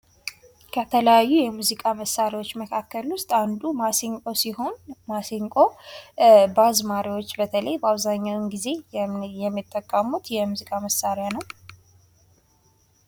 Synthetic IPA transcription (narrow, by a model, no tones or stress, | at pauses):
kʰət̪ʰələjajːujɛmuzikʼaməsːaɾiwo̞t͡ʃːməkʰakːəlwʊst̪ʼand̪umasŋkʼo̞siho̞nmaseŋkʼo̞ | bazmaɾiwo̞t͡ʃːbət̪ʰələjbəaβzaɲːawɨnɡize̞jɛmːit̪ʼːəkʼːəmut̪jɛmuzikʼaməsaɾjanəw